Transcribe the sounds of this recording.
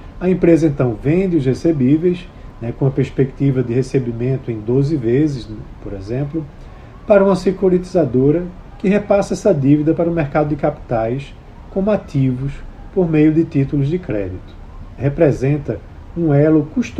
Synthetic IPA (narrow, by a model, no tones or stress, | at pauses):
ɐẽmpɾezɐẽnt̪ɐ̃w̃vẽnd̪ɪʊshesebivejs | nɛkõɐpeɾspekt̪ivɐd̪ɪhesebimẽnt̪ʊẽj̃d̪ozɪvezɪspoɾezẽmplʊ | paɾɐũmɐsekoɾit̪izad̪oɾɐ | kɪɦepasɐɛsɐd̪ivid̪ɐpaɾɐʊmeɾkad̪ʊd̪ɪkapi̥t̪ajs | kõmat̪ivʊs | poɾmejʊd̪ɪt̪it̪ulʊzd̪ɪkɾɛ̰d̪it̪ʊ̥ | hepɾezẽnt̪ɐũɛlʊkuʃt̪